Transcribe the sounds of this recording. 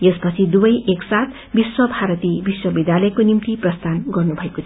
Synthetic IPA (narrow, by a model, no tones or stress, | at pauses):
jespʌt͡sʰid̪ubʌjeksat̪ʰ | biswʌbʱaɾʌt̪ibiswʌbid̪jalʌekonimt̪iprʌst̪anɡʌrnubʱʌekot͡sʰ